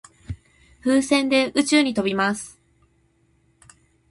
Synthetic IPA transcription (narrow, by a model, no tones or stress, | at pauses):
ɸɯːsẽ̞nd̪e̞ɯ̟t͡ɕɨːɲ̟it̪o̞bʲimasɨ̥